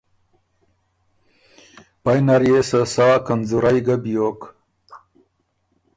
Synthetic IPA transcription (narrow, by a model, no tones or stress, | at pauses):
pajnaɾjesəsaakanzuɾajɡabijoːk